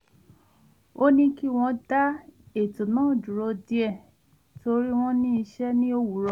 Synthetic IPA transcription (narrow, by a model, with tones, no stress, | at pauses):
o˦nĩ˦ki˦˨w̃ɔ̃˧da˦e˦˨tũ˨nãː˦˨d͡ʒu˨ɾo˧di˧˦ɛ˦˨ | tʰo˧ɾi˦w̃ɔ̃˦nĩ˦i˧ʃɛ˦nĩ˦o˦wu˨˦ɾɔ˧˨